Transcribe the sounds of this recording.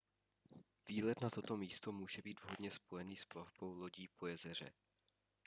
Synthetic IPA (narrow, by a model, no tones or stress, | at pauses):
viːlɛt̪nat̪o̞t̪o̞miːst̪o̞muːʒɛbiːd̪vɦodɲɛspo̞jɛniːsplavbo̞wlo̞ɟiːpʰojɛzɛr̝ɛ̰